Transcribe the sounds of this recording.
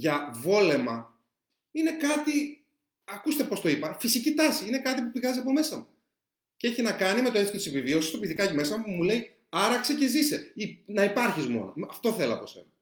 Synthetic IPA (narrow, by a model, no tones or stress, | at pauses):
ʝɐvo̞le̞mɐ | inekɐt̪i | ɐkust̪e̞po̞st̪o̞ipɐfisicit̪ɐsiine̞kɐt̪ipupiɣɐziɐpo̞me̞sɐmu | cee̞çinɐkɐnime̞t̪oeθkot̪ise̞pivio̞sist̪opiðikɐcime̞sɐmupumule̞i | ɐɾɐkse̞ce̞zise̞inɐipɐɾçizmo̞̰no̞̰ɐft̪o̞θe̞lɐ̰pose̞̰nɐ